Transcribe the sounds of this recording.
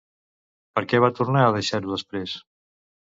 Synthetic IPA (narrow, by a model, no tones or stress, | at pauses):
pəɾkɛβ̞at̪uɾnaəð̞əʃaɾuðəspɾes